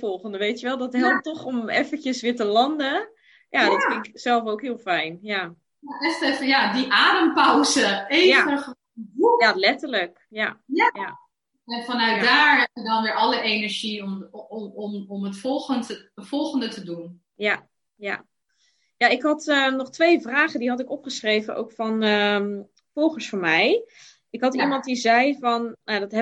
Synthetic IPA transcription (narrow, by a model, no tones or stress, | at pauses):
fɔlˠχəndəʋejtjəʋɛlˠdɔtɦɛlˠp̚tɔχomɛ̰fəntjəsʋɪːɹtəlɑndə | jadɔɪŋksɛlˠfowkɦɪːlˠfɛjnja | jaʔɛxtɛfəjadiʔaːdəmpawzəeːjaə | jalɛtəɹlək | jajaja | ɛnfɔnœɥdaːɹɛədɔnʋɪːɹɑləʔenəɹʒiɔmɔmɔmətfɔlˠəntəfɔlˠχəndətʰədun | ja | ja̰ | jaɪkɦɑtənɔχtʋejvraːχəndiɦɑtɪkɔpχəsχrejvənʔo̰wkfɔnəm | fɔlˠχənsfɔnmɛj | ʔɪkɦɑtimɑnt̚dizɛjfɔnnadɔtɦɛ